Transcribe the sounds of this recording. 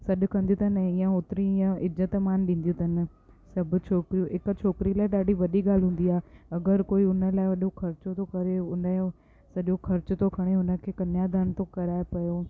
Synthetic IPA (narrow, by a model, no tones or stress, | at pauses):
sɐɗʊ̆kɐ̃nd̪ijut̪ɐnɐɦɪ̃jãoːt̪ɪɾiɪ̃jãɪzət̪maːnɗĩːn̆d̪jut̪ʰɐnɪ̆ | sɐbʱʊ̆t͡ɕʰoːkɾijũɦɪkt͡ɕʰoːkɪɾilaːɪɗaːɖʱiʋɐɗiɠaːl̤ɦũːn̆d̪iaːeɐɡəɾkoːiʊnəlaːɪʋɐɗoxʰɐɾt͡ɕot̪ʰokɐɾeʊnə | sɐɗoxʰɐɾt͡ɕʊt̪okʰɐɽ̃eʊnə̆kʰeːkɐnjaːd̪aːnt̪okɐɾaːepɐjo